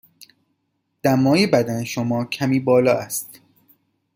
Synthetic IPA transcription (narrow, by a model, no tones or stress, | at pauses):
d̪̥æmːɒːjibæd̪æneʃomɒːcʰæmiːbɒːlɒːæst̪